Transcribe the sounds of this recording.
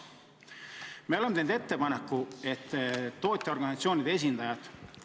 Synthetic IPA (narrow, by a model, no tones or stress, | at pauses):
meole̞meend̪e̞t̪ːe̞pɑnekːue̞t̪ːo̞ːt̪ʲːˑeo̞rɡɑnisɑt̪sio̞ːnʲid̪̥ees̬ʲind̪̥ɑjɑt̪